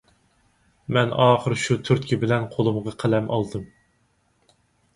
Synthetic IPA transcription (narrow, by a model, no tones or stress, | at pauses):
mɛnɑːχəɾʃut̪ʰyɾt̪̚kʲibɪlɛnqʰolˠɨmʁɑqʰælɛmʔɑ̰lˠd̪ɨm